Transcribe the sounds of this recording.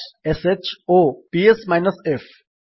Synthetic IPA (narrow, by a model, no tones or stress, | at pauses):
ɛsɛt͡ʃoːpiɛsmaɪnɐsɛf